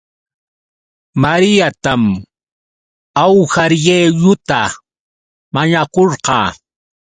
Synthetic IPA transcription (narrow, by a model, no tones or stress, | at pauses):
maɾɪjat̪am | awhaɾjeʎʊt̪a | maɲakoɾqɑː